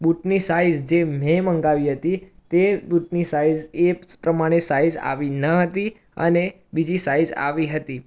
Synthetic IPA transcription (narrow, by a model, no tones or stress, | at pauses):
buʈnisaid͡ʒd͡ʒem̤ɛməŋɡaʋiɦət̪it̪ebuʈnisaid͡ʒepɾəmaɽ̃esaid͡ʒa̰ʋinəɦət̪i | ə̰ne | bid͡ʒisaid͡ʒa̰ʋiɦət̪i